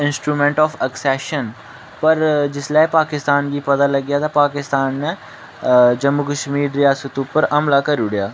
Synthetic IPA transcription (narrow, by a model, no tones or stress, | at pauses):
ɪnsʈɾuːmɛ̃ːɳʈɔːfəksɛːʃən | pəɾd͡ʒɪslaːipaːkɪst̪aːnɡiːpɐd̪aːləɡjaːt̪ãpaːkɪst̪aːnːɛ̃ | d͡ʒəmːukəʃmiːɾɾɪjaːsət̪ʊpːəɾəmlaːkəɾuːɽɪjaː